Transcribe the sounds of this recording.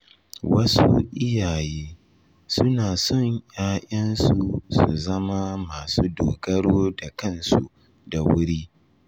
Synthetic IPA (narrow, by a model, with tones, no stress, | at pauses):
wɐ˦su˦ʔɪ˦jaː˨jeː˦ | sʊ˦naː˨sɔ˦˨ɲjaː˦ʔʲɐ˦nsu˨sṵ˨zɐ˦ma˦maː˨suː˦doː˨ɡɐ˦ɽoː˦da˨kɐ˦nsu˨ | da˨wʊ˦ɽiː˦